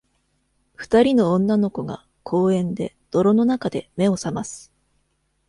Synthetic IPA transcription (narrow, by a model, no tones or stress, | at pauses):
ɸɯ̟̥t̪aɾʲinõ̞ːnːano̞ko̞ɡa̰ | kʰo̞ːẽ̞nd̪e̞̰ | d̪̥o̞ɾo̞no̞nakad̪e̞me̞o̞samasɨ̥